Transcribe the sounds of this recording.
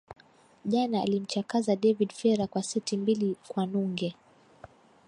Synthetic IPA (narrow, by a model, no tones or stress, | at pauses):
ʄana̰ːlim̩t͡ʃakazaɗɛvidfɛɾakwasitimbilikwanuŋɡɛ